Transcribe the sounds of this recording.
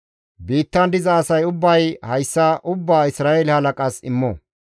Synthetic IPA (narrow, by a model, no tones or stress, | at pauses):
biːt̪ːɐnd̪ɪzɐːsɐjʊbːɐjhɐjsːɐʔʊbːaːɪsɾaːɛlɪhɐlɐkʼɐsɪmːɔ̰